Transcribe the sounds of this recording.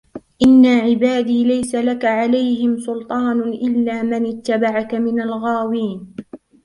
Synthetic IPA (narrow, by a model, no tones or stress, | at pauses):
ʔɪnːaʕɪbaːd̪iːlajsalakaʕalajɦɪmsʊlt̪ˤɑːnʔɪlːaːmɪnɪt̪ːabaʕakamɪnalɣaːwiːn